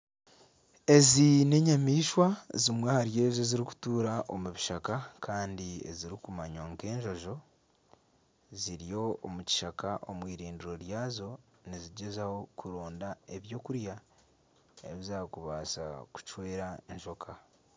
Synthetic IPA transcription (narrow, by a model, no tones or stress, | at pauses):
e̞zine̞ɲamiːʃwazimwehaɾje̞ːzo̞ziɾiku̥tuːɾaʔo̞muβiʃakakʰaːndiḛziɾikumaɲwaŋke̞ːɲʒo̞ʒo̞ | ziɾijo̞omuci̥ʃakaʔomwiːɾiːndiɾo̞ɾjaːzo̞ | niziɟe̞zaho̞kʰuɾo̞ːndae̞βjo̞ːkuɾja | e̞̰βizakuβaːsa̰ku̥t͡ʃwe̞ːɾaeɲʃo̞kʰa